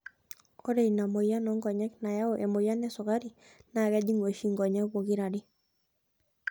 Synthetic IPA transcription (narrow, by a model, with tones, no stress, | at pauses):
o˦ɾe˨i˨na˨mo˨ja˦nɔ˦ŋɡɔ˨ɲɛ˦kna˨ja˦o˨ʔɛ˨mo˨ja˦nɛ˦sɔ˨ka˦ɾi˨ | na˨ɡa˦d͡ʒi˦ŋwo˨ʃi˦ŋɡɔ˨ɲɛ˦kwo˨ɡi˦ɾa˨di˦